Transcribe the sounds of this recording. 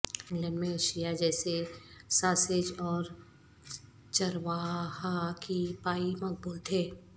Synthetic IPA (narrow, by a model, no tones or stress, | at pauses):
fɪ̃ŋlɛ̃nmẽʃijad͡ʒɛːsesaːsed͡ʒɔːɾ | t͡ʃɐɾʋaːɦakipaːimɐk̚buːlt̪ʰeː